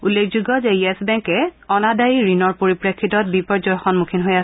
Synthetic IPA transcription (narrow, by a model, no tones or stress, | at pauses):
ulːekʰzuɡɔzɛjɛsbɛŋkɛɔnadajiɹinɔɹpoɹipɹekʰːitɔt̚bipɔɹzɔjxɔnmukʰinɦojas